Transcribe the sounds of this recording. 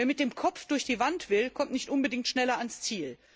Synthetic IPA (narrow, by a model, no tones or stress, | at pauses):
veːɐmɪt̚d̥eːmkʰɔp͡fd̥ʊɐçd̥iːvantv̥ɪlkʰɔmtnɪçtʔʊnbədɪŋtʃnɛlɐanst͡siːl